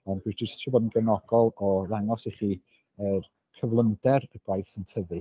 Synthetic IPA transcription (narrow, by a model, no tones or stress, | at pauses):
əmb̥ɨsd͡ʒɪstʰɪbɔdn̩ɡɛnɔɡ̥ɔlˠɔraŋɔsiχiː | ər | kʰəvlˠəndɛrəɡ̥wajθəntʰəvɨ